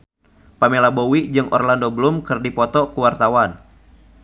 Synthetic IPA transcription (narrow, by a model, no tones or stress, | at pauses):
pamelabowid͡ʒɨŋʔɔ̰rlandobəlumkɨrdipɔt̪ɔkuwart̪awan